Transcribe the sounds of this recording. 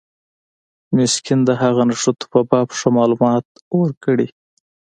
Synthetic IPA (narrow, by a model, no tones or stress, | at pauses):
mɪskɪnd̪əɦaɣanaʂot̪u̥pabɑpʂamɑlumɑt̪ | wəɾkəɽi